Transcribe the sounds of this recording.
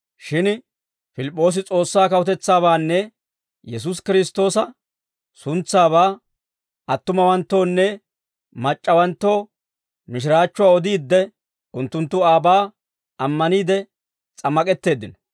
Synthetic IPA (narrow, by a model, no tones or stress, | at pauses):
ʃɪn | fɪlɪpʼːo̞ːs̬ɪt͡sʼo̞ːsːaːkɐwʊt̪ɛt͡sːaːβaːnːɛ | jɛs̬us̬kɪɾɪst̪o̞ːsɐ | sʊnt͡sːaːβaː | ɐt̪ːʊmɐwɐnt̪ːo̞ːnːɛ | mɐt͡ʃʼːɐwɐnt̪ːo̞ː | mɪʃ̬ɪɾaːt͡ʃːʊwaːɔd̪iːd̪ːɛ | ʊnt̪ːʊnt̪ːʊaːbaː | ɐmːɐniːd̪ɛ | t͡sʼɐmːɐkʼɛt̪ːe̞ːd̪ːɪnɐ